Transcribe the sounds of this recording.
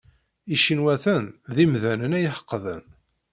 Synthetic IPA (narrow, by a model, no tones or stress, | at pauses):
iʃinwæθænðimðænənæjəħə̥qːðən